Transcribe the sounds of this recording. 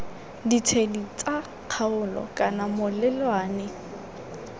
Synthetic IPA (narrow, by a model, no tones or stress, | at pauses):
dit͡sʰedit͡sʼa | q͡χʰaʊlɔ̰kʼanamʊlɛlwaːnɪ